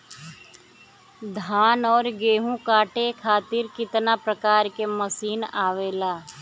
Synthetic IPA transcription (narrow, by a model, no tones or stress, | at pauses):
d̪ʱaːnɔːɾɡeːɦũkaːʈekʰaːt̪ɪɾkɪt̪napɾəkaːɾkeməsiːnaːʋeːlaː